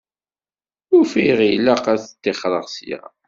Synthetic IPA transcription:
ʊɾfiʁilaqæθt̪ːeχɾˤəʁsja̰

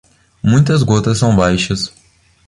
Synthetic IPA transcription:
mũj̃t̪ɐzɡot̪ɐssːɐ̃w̃bajʃɐs

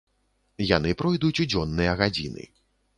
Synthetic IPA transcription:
janɨpɾɔjd̪ut͡sʲud͡zʲɔnːɨjɐɣad͡zʲḭnɨ̰

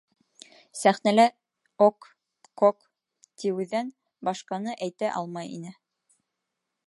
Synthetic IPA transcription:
sæχnælæ | okː | ok | t̪iwʉðæn | bɑʃqɑnɤʔæjt̪æʔɑlˠmɑjḭnɘ

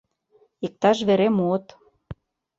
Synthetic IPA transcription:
ik̚t̪ɑʃβeɾemuot̪

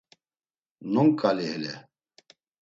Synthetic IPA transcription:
nɔŋkʼaliɦɛlɛ

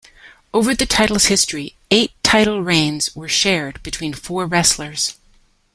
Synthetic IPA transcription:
oʊvə˞ðɨtʰaɪɾl̩ˠz̥hɪstɹ̥i | eɪtʰaɪɾl̩ˠɹẽɪ̃nz̥wə˞ʃɛɹd̚bɨtʰw̥ĩnfɔɹɹɛslə˞z̥

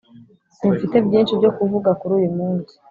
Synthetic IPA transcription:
siɱfite̞bjiːnʃibjo̞kuvuɡakuɾuːjumuːnsi̥

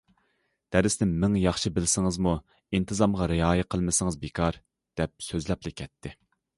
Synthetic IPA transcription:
d̪̥æɾɪsnɪmmɪŋjɑχʃibɪlsɪŋɨzmu | int̪ʰɨzɑmʁɑɾɪɑːjɪqʰəlˠmɪsɪŋɨzbekʰɑɾ | d̪̥ɛp̚søzlɛplˠɪkʲʰɛt̪ʰːɪ

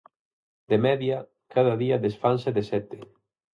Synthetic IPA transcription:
d̪emɛðjɐ | kaðɐðiɐðesfanseðesɛt̪ɪ

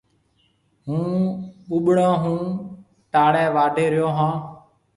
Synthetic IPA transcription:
ɦũːɓuɓɽãːɦũː | ʈaːɽɛ̃ːʋaːɖʱeːɾɪjoːɦãː

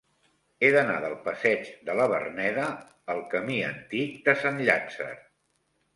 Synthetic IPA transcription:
eðəna̰ðəlˠpəsɛd͡ʒd̪ələβ̞ə̰rnɛðəː | lˠkəmiənt̪ik̚d̪əsanʎazə̰r

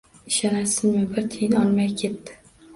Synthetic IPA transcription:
ɪʃɑnasɪnmɪbɪɾt̪ʰijnɪɒnmajʲkʲʰet̪ːɪ̥

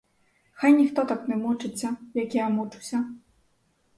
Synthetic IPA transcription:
xajnʲixt̪ɔt̪aknɛmut͡ʂɨt͡sʲːɐjakʲiɐmut͡ʂusʲɐ

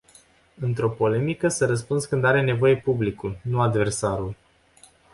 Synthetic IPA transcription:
ɨnt̪ɾo̞po̞le̞mikəsəɾəs̬punskɨnd̪aɾe̞ne̞vo̞je̞publikulnuad̪ve̞rsaɾul

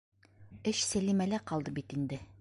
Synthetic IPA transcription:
ɘɕsælimælæqɒlˠd̪ɤbit̪ind̪ɘ

